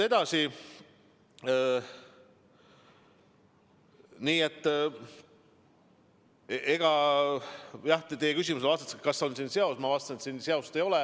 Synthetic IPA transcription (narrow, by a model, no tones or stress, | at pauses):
e̞d̪̥ɑsi | niːe̞t̪ː | eɡ̥ɑ | jɑht̪t̪ejːekysʲimus̬elɑst̪et̪se̥kɑsːo̞nsinseosmɑvɑːst̪ɑnet̪sinseɑost̪ejo̞lɛ